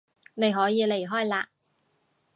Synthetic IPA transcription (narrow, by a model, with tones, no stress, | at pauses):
ne˨˧jɦɔː˨˥jiː˨˧le˨˩jɦɔː˥jlaː˧